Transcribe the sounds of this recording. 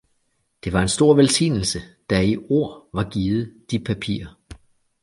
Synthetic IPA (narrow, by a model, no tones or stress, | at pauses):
d̥e̝ʋɑ̈e̝nsd̥o̝ɐ̰ʋelsḭːnl̩səd̥ɑioɐ̰ʋɑ̈ɡ̥iːð̩ˠd̥ipʰæpʰḭːɐ